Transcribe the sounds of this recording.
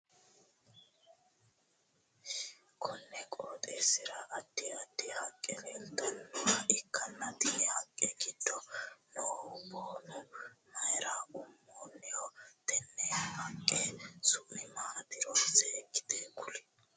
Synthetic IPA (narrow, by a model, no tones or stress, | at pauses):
kʰɔnːɛkʼoːt̪ʼeːsɪɾɐʔːd̪ːɪɐt̪ːɪhɐkʼːɛlɛlt̪ɐnʊɐʔɪkːɐnːɐt̪iːhɐkʼːɛɡɪd̪ːɔnɔhɔboːnʊmɐjɪɾaːʊmːoːnːɛjɔt̪ɛnːɛhɐkʼːɛsʊʔɪmaːt̪ɪɾɔsɛːɡɪ̥d̪eːkʊlɛ̥